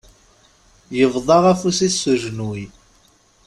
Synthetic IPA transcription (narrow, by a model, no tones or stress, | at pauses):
jəvðˤɑʁæfusisːuʒnwi